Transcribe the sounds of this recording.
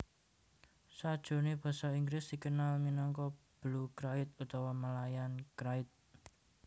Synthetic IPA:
sad̥ʒ̥o̤neb̥a̤sɔiŋɡɾɪsd̪̥i̤kənalminɔŋkɔ | b̥lukɾaɪt̪̚ut̪ɔwɔmalajankɾaɪt̪̚

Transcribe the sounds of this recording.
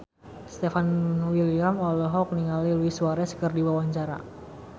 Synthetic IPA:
st̪efanwiliamɔlɔɦɔk̚niŋaliluisuaɾɛskərdiwawaɲt͡ʃaɾa̰

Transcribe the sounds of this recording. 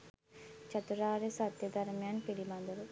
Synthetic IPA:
t͡ʃɐt̪uɾaːɾesɐt̪jəd̪ɐɾmejanpilibɐnd̪əlu

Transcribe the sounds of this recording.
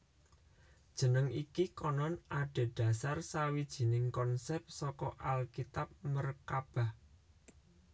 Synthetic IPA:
d̥ʒ̥ə̤nəŋikikɔnɔnaɖ̥e̤ɖ̥ä̤sarsawid̥ʒ̥i̤nɪŋkɔnsɛp̚sɔkɔʔalkit̪ap̚mərkab̥a̤h

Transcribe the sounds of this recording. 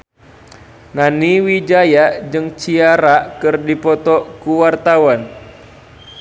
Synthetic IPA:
naniwid͡ʒajad͡ʒɨŋt͡ʃiaɾakɨrdipɔt̪ɔkuwart̪awan

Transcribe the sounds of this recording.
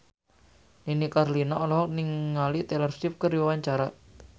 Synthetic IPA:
ninikarlinaɔlɔɦɔniŋːalit̪elərsʃip̚kəɾiwwaɲt͡ʃaɾa

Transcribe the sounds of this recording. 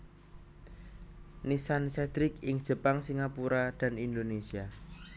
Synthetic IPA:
nisansɛd̪̥ɾɪkɪŋd̥ʒ̥ə̤paŋsiŋapuɾad̪̥a̤nind̪onesia

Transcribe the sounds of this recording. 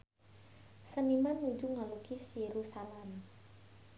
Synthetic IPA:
sənimanːud͡ʒuŋalukisjeɾusalɛm

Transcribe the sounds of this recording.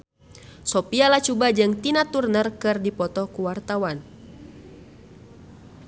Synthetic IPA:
sɔpialat͡ʃubad͡ʒɨŋt̪inat̪urnərkɨrdipɔt̪ɔkuwart̪awan

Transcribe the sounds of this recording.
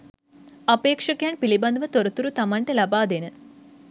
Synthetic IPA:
ɐpeːkʂɐkjaːɳpilibɐnd̪ʋɐt̪oɾɐt̪uɾut̪ɐmɐɳʈelɐbaːd̪enɨ

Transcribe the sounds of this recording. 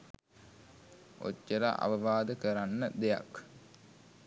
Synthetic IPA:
o̰cːəɾa̰ʔa̰ʋəʋaːd̪əkəɾanːəd̪eja̰k

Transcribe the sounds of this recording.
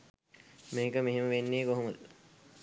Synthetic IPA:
meːkəmeɦeməʋenːeːkoɦomul

